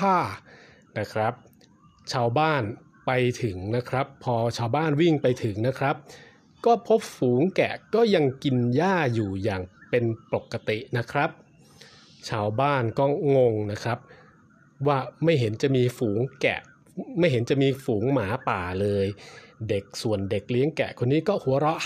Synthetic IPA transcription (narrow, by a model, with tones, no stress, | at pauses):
aː˥˩ | na˦˥kʰɾa˦˥p̚ | t͡ɕʰaː˧wbaː˥˩n | pa˧jt̪ʰɯ˩˦ŋna˦˥kʰɾa˦˥pʰːɔː˧t͡ɕʰaː˧wbaː˥˩nwi˥˩ŋpa˧jt̪ʰɯ˩˦ŋna˦˥kʰɾa˦˥p̚ | kɔː˥˩pʰo˦˥p̚fuː˩˦ŋkɛ̰˨˩kɔː˥˩ja˧ŋki˧njaː˥˩juː˨˩jaː˨˩ŋpe˧npo˨˩kːa˧t̪i˨˩ʔna˦˥kʰɾa˦˥p̚ | t͡ɕʰaː˧wbaː˥˩nkɔː˥˩ŋo˧ŋna˦˥kʰɾa˦˥p̚ | waː˥˩ma˥˩jɦe˩˦nt͡ɕa˨˩ʔmiː˧fuː˩˦ŋkɛ̰˨˩ʔ | ma˥˩jɦe˩˦nt͡ɕa˨˩miː˧fuː˩˦ŋmaː˩˦paː˨˩lɤː˧jde˨˩k̚su˨˩ənde˨˩k̚li˦˥əŋkɛ̰˨˩kʰo˧nːiː˦˥kɔː˥˩hu˩˦ɐɾɔ˦˥ʔ